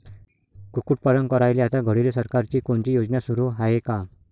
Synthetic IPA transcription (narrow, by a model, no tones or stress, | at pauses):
kukuʈ̚pəɾəŋkəɾajleat̪aɡʱəɽilesəɾkaɾt͡ɕiːkoɳt͡ɕijod͡znjasuɾuɦaɦeka